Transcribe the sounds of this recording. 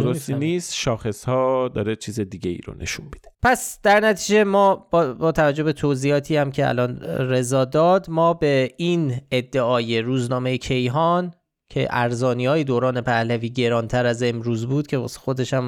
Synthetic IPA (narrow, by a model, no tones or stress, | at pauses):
oɾost̪iniːst̪ʃɒːxe̞shɒːd̪ɒ̰ːɾet͡ʃʰiːzed̪iːɡɟe̞ḭːɾo̰nʔḛʃunbid̪epʰæsd̪̥æɾnæt̪ʰiːd͡ʒe̞mɒːbbɒːt̪ʰævæd͡ʒo̞bet̪ʰoziːɒːt̪ʰiːæmcʰe̞æ̰lɒːnre̞zɒːd̪ɒːd̪mɒːbe̞iːned̪ːeɒːje̞ɾuːznɒːme̞jecʰe̞jɦɒːn | cʰe̞̰ʔæɾzɒːnijɒːje̞d̪oːɾɒːne̞pʰæhlæviːɟe̞ɾɒːnt̪ʰæɾæze̞mɾuːzbuːd̪̥̚cʰeb̰sxo̞d̪e̞ʃæm